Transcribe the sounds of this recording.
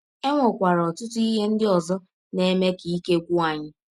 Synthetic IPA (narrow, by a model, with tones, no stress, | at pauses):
e˦ŋʷo˨kʷa˨ɾɔ˨tʊ˦tʊ˦i˦ɦe˦n̩˦dɪ˦ɔ˨zɔ˦ | ne˦me˦ki˨i˦ke˦kʷu˦a˨ɲɪ˦